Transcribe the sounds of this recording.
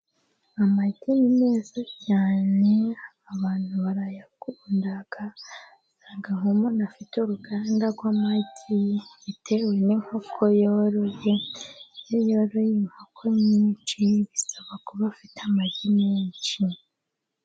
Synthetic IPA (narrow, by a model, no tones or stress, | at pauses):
amatinime̞ːzacaːne̞aβaːn̥huβaɾajaɡundaɡ̥a | saːŋɡaŋomonafituɾuɡandaɡwaːmaitʰi | itʰewe̞niŋ̥hokʰojoɾojejajoɾojeŋ̥okʰoɲit͡ʃiɡisaβakuβafitamaɟimeɲt͡ʃi